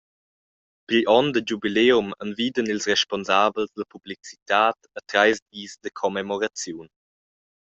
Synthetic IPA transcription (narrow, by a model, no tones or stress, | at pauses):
pilʔɔndəd͡ʒubileːumənviːdənilsrɛʃpɔnzabəlzdəpublit͡si̥taːtətɾajzdiːzdəkʰɔmɛmɔɾat͡sjun